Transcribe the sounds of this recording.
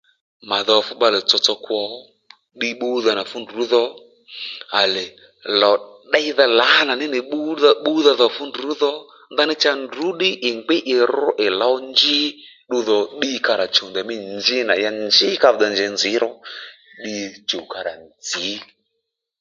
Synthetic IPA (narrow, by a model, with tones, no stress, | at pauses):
ma˨ðɔ˨fʊ˦ɓa˧lɛ˨t͡sɔ˧t͡sɔ˧kwɔ˨˦ | ɗi˧ɓu˦ða˧na˨fu˦ndu˨˦ðɔ˦ | a˨lɛ˨ | lɔ˨ɗa˦jða˧la˨˦na˨nɪ˦nɪ˨ɓu˦ða˧ɓu˦ða˧ðɔ˧fʊ˦ndu˨˦ðɔ˦ | nða˦nɪ˦t͡ʃa˧ndu˨˦ɗɪ˦ʔɪ˨ŋɡ͡bɪ˦ʔɪ˨ɾʊ˦ʔɪ˨la˨˦nd͡ʒɪ˦ | ɗʊ˧ðɔ˨ɗi˧˦ka˧ɾa˨t͡ʃo˨nd̪a˨mi˦nd͡ʒɪ˦na˨ja˧nd͡ʒɪ˦ka˧˨d̪a˨nd͡ʒɛ˨˧˦nd͡zɪ˨˦ɾɔ˦ | ɗi˧t͡ʃo˨ka˧ɾa̰˨nd͡zi˨˦